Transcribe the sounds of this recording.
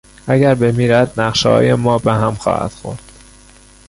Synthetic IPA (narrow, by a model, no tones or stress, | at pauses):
ʔæɡæɾbe̞miːɾæd̪̚næqʃhɒ̰ːjemɒːbeɦæmxɒ̰ːhæ̰d̪̥xo̞̰ɾd̪̥